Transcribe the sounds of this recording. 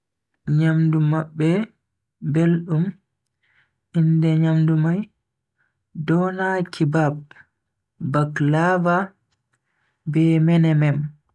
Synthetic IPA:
ɲamdumaɓːɛ | belɗum | ʔindɛɲamdumaj | dɔnakʰibab̚ː | aklava | bɛmɛnɛmɛm

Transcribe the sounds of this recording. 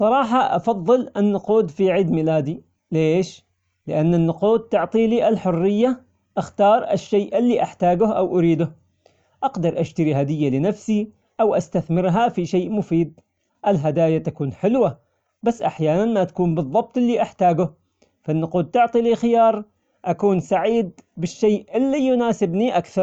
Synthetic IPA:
sˤɑɾˤɑːħɑʔɑ̰fɑðˤːɨlɪnːʊquːd̪fiʕiːd̪milaːd̪i | leːʃ | lɪʔanːɪnːʊquːd̪̚t̪ʊʕt̪ˤiliːʔɪlħʊrːɪjːa | ʔaxt̪ɑːɾˤɪ̰ʃːeːʔɪlːiʔaħt̪aːɡʊhʔawʔʊɾiːd̪ʊh | ʔaqd̪ɑɾˤʔaʃt̪aɾiɦad̪ɪjːalɪnafsi | ʔawʔast̪aθmɪɾɦafiʃeːʔmʊfiːd̪̚ | ʔɪlɦad̪aːjat̪akuːnħɪlwa | basːʔaħjaːnanmat̪ḁkuːmbɨðˤːɑb̚t̪ˤʔɪlːiʔaħt̪aːɡʊh | fanːʊquːd̪̚t̪ʊʕt̪ˤiliːxɪjɑːɾˤ | ʔakuːnsaʕiːd̪̚bɪʃːeːʔʔɪlːijʊnaːsɪbniʔakθɑɾˤ

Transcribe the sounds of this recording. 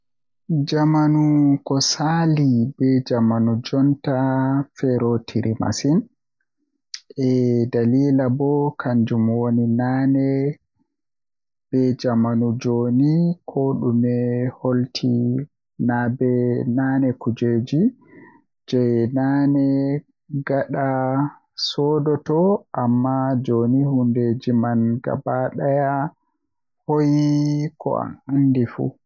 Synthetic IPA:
d͡ʒamanukɔsalibɛd͡ʒamanud͡ʒɔntafɛɾɔtʰiɾʔima̰sin | ʔɛdaliːlabɔkʰaɲd͡ʒumwoninaːnɛ | b̥ɛd͡ʒamanud͡ʒoːnikʰɔɗumɛholtʰi | nabɛnanɛkud͡ʒed͡ʒi | d͡ʒɛjnanɛ | ɡaɗa | sɔːdɔtɔʔamːad͡ʒonihunded͡ʒimanɡa̰baɗaja | hojikɔ̰a̰nandifṵ

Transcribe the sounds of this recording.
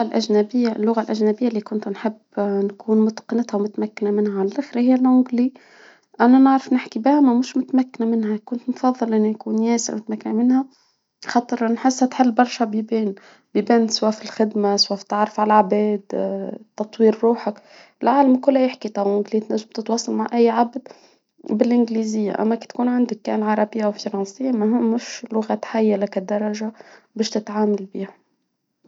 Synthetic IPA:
alʔæʒnæbɪjːalːʊɣalʔæʒnæbɪjːalːiːkʊnt̪nħɪbːnkuːnmʊt̪qɨnat̪hæwmʊt̪makːɪnamɪnhaʕalælʔaxɾahɪjːælʕʊɡli | ʔænænɪʕɾɪfnɪħkibɪhæmæmʊʃmʊt̪mækːnamɪnɦækʊnt̪mfɑðˤːɨlʔɪnːinkuːnjæːsɪ̰ɾmʊt̪mækːanamɪnhæ | xɑt̪ˤɨɾnħɪsːhæt̪ħɪlːbɑɾˤʃæbibeːn | bibænswafilxɪd̪maswaft̪ːaʕɾˤɑfʕalʕbɛːd̪t̪ːɑt̪ˤwiːɾɾuːħak | ɪlʕaːlamkʊlːhæjɪħkit̪ˤɑːʔɪŋɡliːt̪næːsb̚t̪ɪt̪wɑːsˤːɑlmaʕʔæjːʕabd̪ | bɪlʔɪnɡliːzɪjːa̰ʔa̰mːæki̥t̪kuːnʕand̪ɪkːæ̰ʔnʕɑɾˤɑbɪjːawfɑɾˤɑnsɪjːamʊɦɪmːʃlʊɣat̪ħajːalakad̪ːɑɾˤɑʒabɛːʃt̪ɪt̪ʕaːmalbiːha

